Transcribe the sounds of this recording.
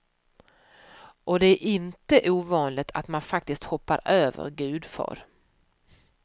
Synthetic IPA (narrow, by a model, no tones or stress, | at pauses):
ʔɔd̪ɛæɾʔɪnt̪əʔuːvɑːnlɪɡt̪ʰa̰t̪manfak̚t̪ɪst̪hɔpːa̰ɾøːvə̰ɾɡʉ̟ːd̪fœ̰ɾ